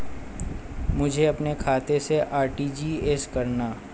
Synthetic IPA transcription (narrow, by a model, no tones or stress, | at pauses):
mʊd͡ʒʱeɐpnekʰaːt̪eseʔaːɾʈiːd͡ʒiːeːskɐɾnaː